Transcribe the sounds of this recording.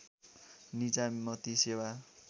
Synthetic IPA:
nid͡zamʌt̪isewa

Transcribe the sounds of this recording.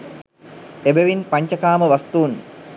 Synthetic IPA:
ebeʋinpaɲt͡ʃɐkaːməʋast̪uːn

